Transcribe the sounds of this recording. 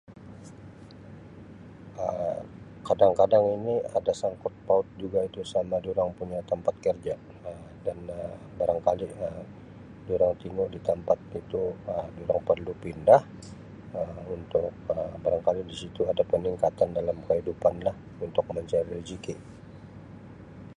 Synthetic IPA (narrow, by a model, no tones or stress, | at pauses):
ʔə | kadaŋkadaŋiniadasaŋkɔt̪̚paʊt̪̚d͡ʒuɡait̪usamaduɾaŋpuɲat̪əmpat̪̚kərd͡ʒa | ə | danə | baɾaŋkaliəm | duɾaŋt̪iŋʊdit̪əmpat̪̚it̪uəduɾaŋpərlupindah | əunt̪ʊk̚əbaɾaŋkalidisit̪uadapəniŋkat̪andalamkəɦidupanlah | unt̪ʊk̚məɲt͡ʃaɾid͡ʒiki